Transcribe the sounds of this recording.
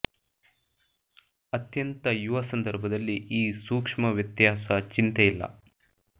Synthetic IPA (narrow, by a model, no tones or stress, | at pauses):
ɐt̪jɐnt̪ɐjuʋɐsɐnd̪ɐɾbʱɐd̪ɐlːiʔiːsuːkʂmɐʋjɐt̪jaːsɐt͡ʃint̪eilːɐ̰